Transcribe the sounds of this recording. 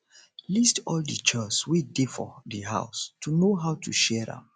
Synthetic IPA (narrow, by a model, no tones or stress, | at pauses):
listɔldət͡ʃɛt͡ʃswidifɔ̰diɦa̰ʊstʰunoɦaʊtʰṵʃɛdã̰m